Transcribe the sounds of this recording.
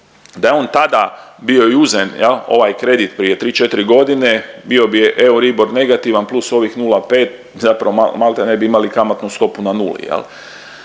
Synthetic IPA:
d̪ajeo̞ːnt̪ad̪abio̞iuzenjelˠo̞̰ʋajkɾe̞d̪it̪pɾije̞t̪ɾiːt͡ʃe̞t̪iɾiɡo̞d̪ine̞bio̞biʔeuɾibo̞ɾne̞ɡat̪iʋanplˠuso̞ʋixnuːlape̞ːt̪̚ | zapɾaʋomamalˠt̪ene̞biimalikamat̪nust̪o̞punanṵːlḭjḛl

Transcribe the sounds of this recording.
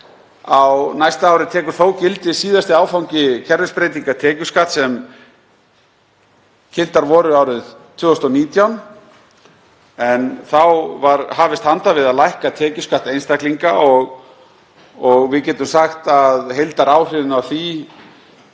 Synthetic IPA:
awnajst̪aaːwɾɪt̪ʰɛːkʏɾ̥θoːwcɪlt̪ɪsiːðast̪ɪaːwfawɲcɪcʰɛɾðʏspɾejt̪iŋkat̪ʰɛːcʏskaht̪sɛm | cʰɪl̥t̪aɾvɔɾʏaːwɾɪðt̪ʰv̥ʏːɔst̪ɔniːt̪jawn | ɛnθawvaɾhaːvɪst̪hant̪avɪðaðlajhkat̪ʰɛːcʏskaht̪ejnst̪akliŋkaɔɣ | ɔɣvɪðcɛːt̪ʏmsaxt̪aðɦejlt̪aɾaːwr̥ɪðɪnawθi

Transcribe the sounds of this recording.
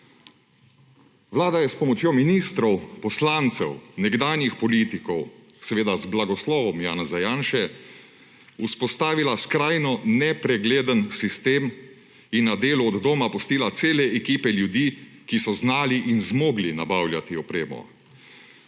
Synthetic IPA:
ʋlaːd̪ajɛspɔmɔt͡ʃjominiːst̪ɾɔwpɔslaːnt̪sɛwnɛɡd̪aːnjixpɔliːt̪ikɔw | sɛʋeːd̪azblaɡɔslɔːʋɔmjaːnazajaːnʃɛ | uspɔst̪aːʋilaskɾaːjnɔnɛpɾɛɡleːd̪ənsist̪eːm | inːad̪eːluɔd̪ːoːmapɔst̪iːlat̪seːlɛɛkiːpɛljud̪iːkisɔznaːliʔinzmoːɡlinabaːwljat̪iɔpɾeːmɔ̰

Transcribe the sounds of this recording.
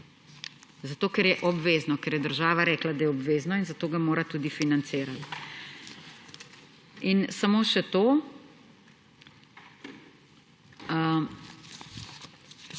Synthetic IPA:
zat̪oːkɛɾjɛʔɔbʋeːznɔkɛɾjɛd̪əɾʒaːʋaɾɛːklad̪ajɛɔbʋeːznɔinzat̪oːɡamoːɾat̪uːd̪ifinant̪seːɾal | insamoːʃɛt̪oː

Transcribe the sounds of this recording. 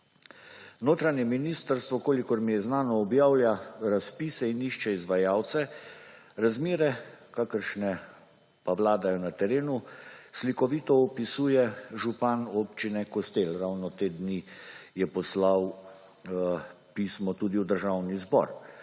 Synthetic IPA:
noːt̪ɾanɲɛminiːst̪əɾst̪ʋɔkoːlikɔɾmijɛznaːnɔːbjaːwlʲjaɾaspiːsɛiniʃt͡ʃɛizʋajaːwt̪sɛ | ɾazmeːɾɛkakəɾʃnɛ | paʋlaːd̪ajɔnat̪ɛɾeːnuslikɔʋiːt̪ɔɔpisuːjɛʒupanopt͡ʃinɛkɔst̪elɾawnɔt̪eːd̪nijɛpɔslaw | piːsmɔt̪uːd̪iwd̪əɾʒawnizbɔ̰ɾ

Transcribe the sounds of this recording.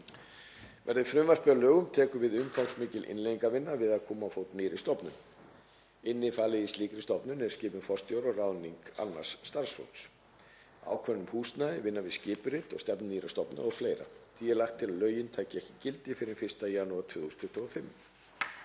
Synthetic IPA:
vɛɾðɪfɾʏmvar̥pɪalœːɣʏmt̪ʰɛːkʏvɪðʏnθawksmɪːcɪlʔɪ̰nleiŋkavɪnːavɪðaðkʰɔːmawfoːwt̪nɪːɾɪst̪ɔpnʏm | ɪnːɪfaːlɪðist̪liːkɾɪst̪ɔpnʏnɛɾ̥scɪːpʏnfɔrst̪joːwɾɔraːwniŋka̰nva̰̥sːt̪aɾ̥sfo̰wns | a̰ːwkʰvɛnːʏmhuːst̪naðɪvɪnːavɪðscɪːpʏɾɪt̪ɔ̰st̪ɛpnʏniːɾast̪ɔpna̰ɔɣfleːjɾa̰θʰiɛlaxt̪ʰːɪlaðlœːɥjɪnt̪ʰaːjcɪɛhcɪ̥cɪlt̪ɪfɪɾɪɾfɪr̥st̪ajaːnuat̪ʰvʏːɣust̪ʰʏht̪ʰɔɣfɪmː

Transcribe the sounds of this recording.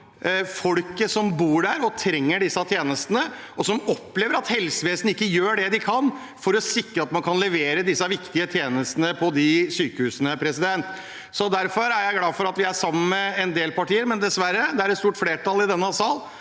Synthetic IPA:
fɔlkəsɔmbuːɖæɾɔt̪ʰɾɛŋːəɖɪsːɑt̪ʰjeːnəst̪ənə | ɔsɔmɔpleːʋəɾɑt̪hɛlsəʋeːsnɪkːəjøːɖɛd̪ɪkʰɑn | fɔɾɔsɪkɾəɑt̪mɑnkʰɑnlɛʋeːɾəd̪ɪsːɑʋɪkt̪ɪət̪ʰjeːnəst̪ənəpʰɔd̪ɪsyːkəhʉːsənəpʰɾɛsɪd̪ɛnt̪ | sɔd̪æɾfɔɾæɾjæɪɡlɑːfɔɾɑt̪ʋɪæsɑmːənmɛɛnd̪eːlpɑʈiːəɾmɛnd̪ɛsʋæɾːəd̪ɛæɾɛt̪st̪uːʈfleːʈɑlɪd̪ɛnːəsɑːl

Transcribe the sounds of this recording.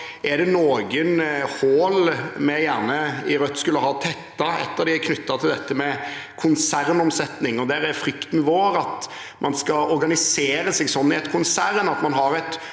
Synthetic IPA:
ʔɛd̪ɛnoːɡənhoːlmɛjæːʁnəɪɾœt̪ːskʉlːəɦɑːt̪ʰɛt̪ːɑɛ̰t̪ːəɾd̪ɪækʰnʏt̪ːɑt̪ʰɪld̪ɛt̪ːəmɛkʰʊnsæɾnɔmsɛt̪nɪŋɔd̪æɾæɾfɾʏkt̪nɪʋoːɾɑt̪ | mʔɑnskɑɔɾɡɑnɪseːɾəseːɡsɔnːɪɛt̪əkʰʊnsæɾnɑt̪mɑnɦɑɾɛt̪

